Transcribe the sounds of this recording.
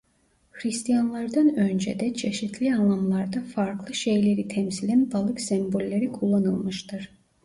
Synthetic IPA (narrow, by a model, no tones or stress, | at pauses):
hɾist̪ijanlˠaɾd̪anønd͡ʒed̪ɛt͡ʃʰe̞ʃit̪ʰlʲianlˠamlˠaɾd̪afaɾklˠɯʃejlʲe̞ɾit̪ʰɛmsilʲænbalˠɯksɛmbo̞lʲːeɾikʰulˠːanɯlˠmɯʃt̪ʰɯɾ̥